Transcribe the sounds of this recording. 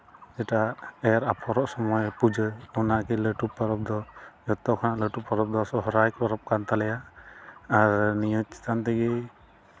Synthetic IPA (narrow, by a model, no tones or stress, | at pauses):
d͡ʒɛʈaɛjaɾapʰɔɾɔʔsɔmɔjpud͡ʒɯunakɛləʈupːaɾɔp̚d̪ɔd͡ʒɔt̪ɔkʰɔnaʔləʈupʰːɔɾɔp̚d̪ɔsɔɦɔɾajkpɔɾɔp̚kant̪alɛjaː | ɾnijɔt̪̚si̥t̪ant̪ɛɡɛ